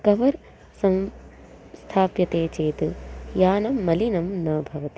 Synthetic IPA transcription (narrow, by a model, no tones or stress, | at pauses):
kɐʋɐɾ | sɐ̃m | st̪ʰaːpjɐt̪eːt͡ʃeːt̪ɨjaːnɐmːɐlinɐmnɐːbʱɐʋɐt̪i